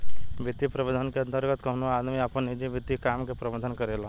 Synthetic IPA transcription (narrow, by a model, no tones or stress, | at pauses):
ʋit̪ipɾəbəd̪ʱənkeənt̪əɾɡət̪kəɦnoad̪miapəned͡ʒiʋit̪ikamkepɾɐbəd̪ʱənkəɾela